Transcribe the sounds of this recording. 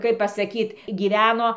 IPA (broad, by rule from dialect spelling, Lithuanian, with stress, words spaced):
kɐɪp pɐsɐˈkʲiːt ɡʲiːˈʋʲæːnoː